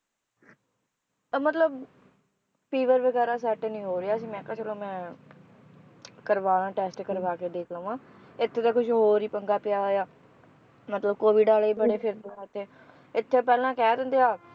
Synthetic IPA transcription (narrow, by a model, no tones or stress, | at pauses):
mət̪ləb | piːʋəɾʋəɡɛːɾaːs̬ɛːʈenĩːɦoːɾɪaːəsĩːmɛ̃ːkə̃ːt͡ʃəlõːmɛ̃ː | kəɾʋaːnãːʈɛːsʈkəɾʋaːkeːd̪eːkʰlə̃ːʋãː | ɪt̪ʰːeːt̪aːkʊʃʰɦoːɾiːpəŋɡaːpɪjaːɦoːjaː | mət̪ləbkoːʋiːɖaːleːiːbəɽeːpʰɪɾt̪ot̪ʰːeː | ɪt̪ʰːeːpɛːlãːkɛːd̪ə̃nd̪eːaː